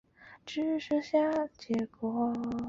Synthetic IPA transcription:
ʈ͡ʂɻ̩˥ʂ̩˥ɕja˥t͡ɕjɛ˧˥kwɔ˧˥

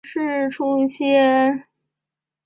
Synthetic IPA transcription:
ʂɻ̩˥˧ʈ͡ʂʰʊ˥ŋi˥˧˩ɕjɛ˥

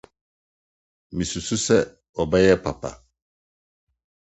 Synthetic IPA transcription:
mĩ˨su˨su˦sɛ˦ | ɔ˨bɛ˦jɛ˦pa˨pa̰˨

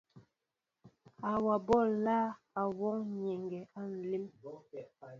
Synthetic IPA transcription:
a˨wa˨bɔ˦˨laː˦ | a˨wɔ˦ŋɲe˨ŋɡɛ˨a˦n̩˨li˦m

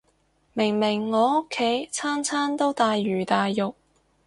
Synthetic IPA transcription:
mɪ˨˩ŋmɪ˨˩ŋːɔː˨˧ʊ˥kʰːe˨˥jt͡sʰaː˥nt͡sʰaː˥nt̪o˥wt̪aː˨˧jːyː˨˩t̪aː˨jːʊ˨k̚

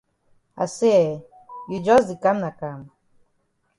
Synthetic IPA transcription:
a̰˨se˦ɛ | jud͡ʒʌs̬di˨kã˦mna˨kam

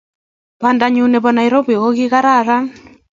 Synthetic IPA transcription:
βandaɲu˦nɛ˨βɔ˨na˨iɾo˦βi˨ɣo˦ɣi˦ɣa˦ɾa˦ɾa˦

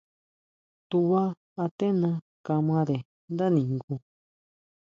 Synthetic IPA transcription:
t̪u˧βaː˦˧ | t̪e˦nã˧ | ka˧mã˧ðe˨ | nd̪a˦nĩ˨ŋɡu˧

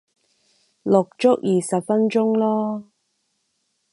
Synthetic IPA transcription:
lʊ˨k̚t͡ʃʊ˥k̚jiː˨sɐ˨p̚fɐ˥nt͡ʃʊ˥ŋlɔː˥

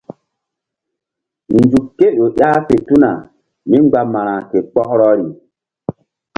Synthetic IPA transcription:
nd͡zu˨kːe˦ɗo˨ʔa˦pe˨tu˦na˨ | mi˦ŋ͡mɡ͡ba˦ma˨ɾã˨ke˨k͡pɔ˦kɾɔ˦ɾi˨

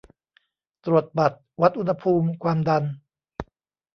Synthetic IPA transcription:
t̪ɾu˨˩ət̪̚ba˨˩t̪̚wa˦˥t̪̚ʔu˧nha˧pʰuː˧mkʰwaː˧mda˧n

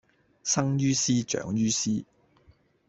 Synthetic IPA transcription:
sɐ˥ŋjyː˥siː˥t͡ʃœ̰ː˨˧˥ŋjyː˥siː˥

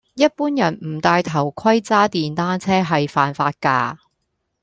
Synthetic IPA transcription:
jɐ˥t̚puː˥njɐ˨˩nm̩˨˩t̪aː˧jt̪ʰɐ˨˩wkʰɐ˥jt͡saː˥t̪iː˨nt̪aː˥nt͡sʰɛː˥ɦɐ˨jfaː˨nfaː˧t̚ka̰ː˧

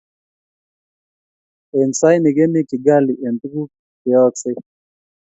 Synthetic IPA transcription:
e˨nsa˦jnɪ˨ɡe˦nɪ˦kɪ˨ɡa˦lɪ˨ʔe˨nt̪u˦ɡu˦ | kɪ˨ɔ˦t͡sɪ˦

